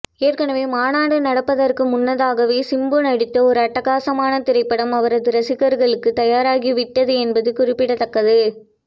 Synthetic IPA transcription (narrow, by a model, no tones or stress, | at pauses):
eːrkɐnɐʋeːmaːnaːɽɯnɐɽɐpːɐðɐrkɯmʊnːɐðaːɣɐʋeːsɪmboːnɐɽɪt̪ːɐɔɾɯɐʈːɐɣaːsɐmaːnɐt̪ɪɾɐɪpːɐɽɐmɐʋɐɾɐðɯɾɐsɪɣɐɾɣɐɭɯkːɯt̪ɐjaːɾaːɣiʋɪʈːɐðɯɛnbɐðɯkʊrɪpːɪɽɐt̪ːɐkːɐðɯ